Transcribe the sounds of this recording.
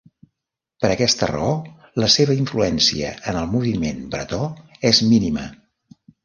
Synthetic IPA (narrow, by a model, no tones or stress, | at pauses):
pəɾəkɛst̪ə̰rə̰o | ləseβəiɱfluɛnsiə̰ənəlˠmuβimenbɾə̰t̪ɔezminimə